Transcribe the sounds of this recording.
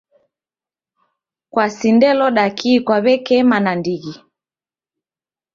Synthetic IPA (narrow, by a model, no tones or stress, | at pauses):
kwasindɛlɔɗakʰikwaβɛkɛmanandiɣi